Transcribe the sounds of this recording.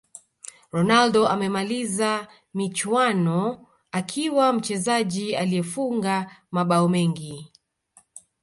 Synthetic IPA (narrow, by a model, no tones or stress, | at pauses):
ɾɔnaldɔamɛmaliza | mit͡ʃwanɔ | akʰiwam̩t͡ʃɛzaʄialijɛfuŋɡamaɓaɔmɛŋɡi